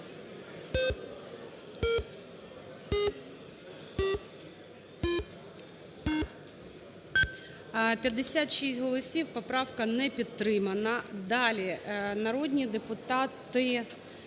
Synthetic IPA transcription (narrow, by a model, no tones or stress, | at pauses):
pʲjɐd̪ːesʲat̪ʃistʲɦɔlˠɔsʲiwpɔpɾɑwkɐnɛpʲid̪̚t̪ːɾɪmɐnɐd̪ɑlʲinɐɾɔd̪ʲnʲid̪epʊt̪ɑt̪ɪ